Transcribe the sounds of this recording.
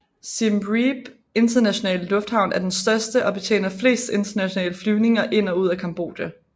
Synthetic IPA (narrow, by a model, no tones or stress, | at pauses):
simʁib̥ | e̝nd̥ɐnæɕo̝nɛ̰ːləlɔ̽fd̥hɑ̈ʊnæɐd̥ensd̥ɶɐsd̥əʔɒ̽b̥e̝t͡sʰḛːnɐfle̝̰ːsd̥e̝nd̥ɐnæɕo̝nɛ̰ːləflyːʊne̝ŋɐʔe̝n̰ɒ̽uð̞̰ˠækʰɑ̈mb̥o̝̰ːd̥jæ